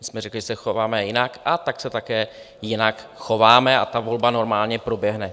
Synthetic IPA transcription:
ɪsmɛɾɛklɪʒɛsɛxovaːmɛjɪnakʔat̪aksɛt̪akɛː | jɪnakxo̞vaːmɛa̰t̪avo̞lbano̞ɾmaːlɲɛpɾo̞bjɛɦnɛ

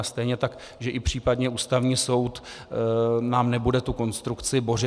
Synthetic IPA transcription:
st̪ɛjɲɛt̪ak | ʒɛʔɪpr̝̥iːpadɲɛuːst̪avɲiːso̞wt̪ | naːmnɛbudɛt̪uko̞nst̪ɾukt͡sɪbo̞rɪ

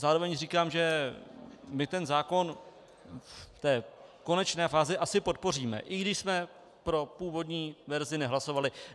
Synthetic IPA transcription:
zaːɾo̞vɛɲriːkaːmʒɛ | mɪt̪ɛnzaːko̞n | t̪ɛːko̞nɛt͡ʃnɛːfaːzɪʔasɪpo̞t̪̚po̞r̝iːmɛ̰ʔɪɡdɪʃsmɛ | pɾo̞puːvo̞dɲiːvɛɾzɪnɛɦlaso̞valɪ

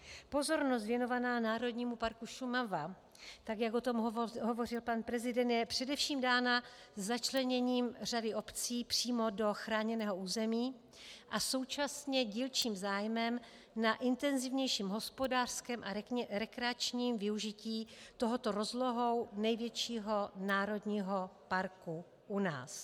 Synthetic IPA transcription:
po̞zo̞ɾnos̬t̪vjɛno̞vanaːnaːɾo̞dɲiːmupaɾkuʃumava | t̪aɡjakot̪o̞mɦovo̞r̝ɪlpanpɾɛzɪdɛnt̪jɛpr̝̥ɛdɛfʃiːmdaːna | zːat͡ʃlɛɲɛɲiːmr̝adɪʔo̞pt͡siːpr̝̥iːmo̞do̞xɾaːɲɛnɛːɦo̞uːzɛmiː | ʔaso̞wt͡ʃasɲɛɟiːlt͡ʃiːmzaːjmɛm | naʔɪnt̪ɛnzɪvɲɛjʃiːmɦo̞spo̞daːr̥skɛːmʔaɾɛɾɛkɾɛat͡ʃɲiːmvɪuʒɪciːt̪o̞ɦo̞t̪o̞ɾo̞zlo̞ɦo̞wnɛjvjɛt͡ʃiːɦo̞naːɾo̞dɲiːɦo̞paɾku | ʔuna̰ːs

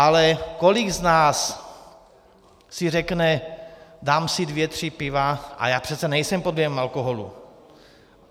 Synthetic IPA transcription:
ʔalɛkoliɡznaːs | sirɛknɛd̪aːmsid̪vjɛt̪r̝̥ipɪvaʔa̰jaːpr̝̥ɛt̪t͡sɛnɛjsɛmpod̪ljɛmalkoɦolṵ

